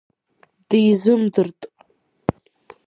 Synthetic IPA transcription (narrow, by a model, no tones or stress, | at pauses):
d̥ɨjzɨmdɨrtʼ